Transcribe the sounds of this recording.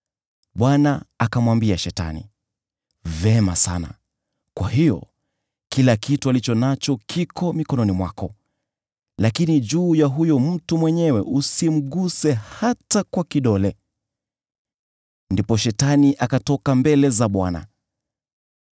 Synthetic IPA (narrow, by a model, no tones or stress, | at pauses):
ɓwanaakamwambiaʃɛta̰nḭ | vɛma̰sa̰na̰ | kwaɦijɔ̰ | kilakitualit͡ʃɔnat͡ʃɔkʰikɔmikɔnɔnimwakɔ | lakinid͡ʒuːjaɦujɔm̩tumwɛɲɛwɛʔusim̩ɠusɛhatakwakiɗɔlɛ | ndipɔʃɛtaniʔakatɔkambɛlɛzaɓwana̰